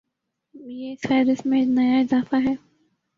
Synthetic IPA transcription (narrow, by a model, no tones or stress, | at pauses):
jeːsaːɾɪsmẽnɐjaɪzaːfaɦɛː